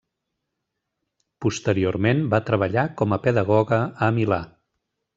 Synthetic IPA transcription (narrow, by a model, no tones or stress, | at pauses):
pust̪əɾioɾmenbat̪ɾəβ̞əʎakɔməpəðəɣɔɣəəmila